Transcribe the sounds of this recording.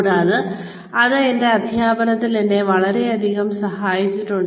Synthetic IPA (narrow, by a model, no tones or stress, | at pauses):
ɽaːðɨ | ɐðɨende̞ɐd̪ʱjaːbɐnɐt̪ːilende̞ʋɐɭɐɾe̞ɐd̪ʱiɣɐmsɐɦaːjit͡ɕːiʈːuɳ